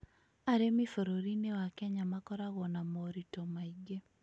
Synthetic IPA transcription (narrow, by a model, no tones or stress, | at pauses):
aɾemifoɾoɾinewakɛɲamakɔɾaɣɔnamoɾitomaiɡe